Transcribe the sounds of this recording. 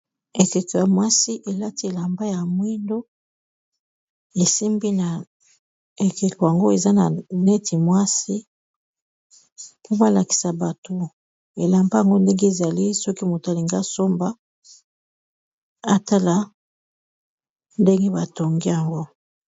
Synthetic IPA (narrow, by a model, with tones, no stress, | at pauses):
e˨ke˨ko˨ja˨mwa˦si˦ʔe˨la˦ti˦e˨la˨mba˦ja˨mwi˦ndo˦ | e˨si˦mbi˦na˨ | e˨ke˨ko˨ja˨ŋɡo˦e˨za˦na˨ne˦ti˨mwa˦si˦ | pʰo˦ba˦la˨ki̥˨sa˨ba˨to˨ | e˨la˨mba˦ja˨ŋɡo˦nde˦ŋɡe˦e˨za˨li˦sɔ˦ki˦mo˨ta˨˦li˨ŋɡa˦so˦mba˦ | a˦ta˦la˦ | nde˦ŋɡe˦ba˨to˨ŋɡi˦ja˨ŋɡo˦